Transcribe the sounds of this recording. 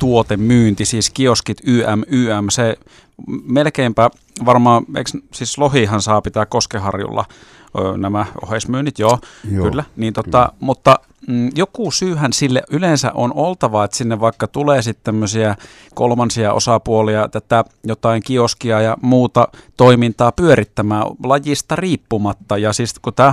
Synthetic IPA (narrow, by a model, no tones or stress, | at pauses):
t̪uot̪emmyːnt̪isiːskioskit̪yːʔæmyːæmse | melkeimpæ | ʋɑrmɑːḛikssiːslohiˑhɑnsɑːpit̪æːkkoskehɑrjṵlːɑ̰ | øːnæmæo̰heˑsmyːnːit̪joːylːæniːnt̪ot̪ɑmut̪ːɑ | jokuˑsyːhænsilːḛʔylensæ̰ʔonolt̪ɑʋɑet̪sinːeʋʋɑikːɑt̪uleːsit̪t̪æmːøsiæ | ko̰lmɑnsiɑʔo̰sɑpuoliɑt̪æt̪æ | jot̪ɑiŋkioskiɑjɑmuːt̪ɑt̪oimint̪ɑːpyøɾit̪ːæmæːlɑjist̪ɑriːpːumɑt̪ːɑjɑsiskut̪æː